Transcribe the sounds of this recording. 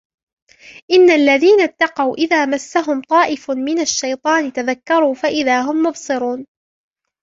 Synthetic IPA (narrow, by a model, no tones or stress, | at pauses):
ʔɪnːalːaðiːnat̪ːɑqɑwʔɪðaːmasːaɦʊmt̪ˤɑːʔɪfmɪnaʃːajt̪ˤɑːnɪt̪aðakːɑɾˤuːfaʔɪðaːɦʊmːʊbsˤɨɾuːn